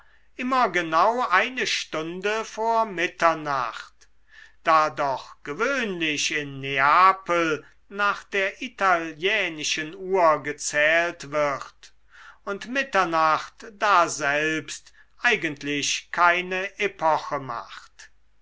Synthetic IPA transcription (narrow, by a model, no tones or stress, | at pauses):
ʔɪmɐɡənaʊʔaɪnəʃtʊndəfoːɐmɪtɐna̰χt | d̥aːdɔχɡ̥əvøːnlɪʃɪnːeaːpəl̩ | naːχd̥eːɐʔitaljɛːnɪʃənuːɐɡət͡sɛːltv̥ɪʁt | ʊntmɪtɐnaχtd̥aːzɛlpst | ʔaɪɡəntʰlɪɕkʰaɪnəʔepʰɔxəma̰χt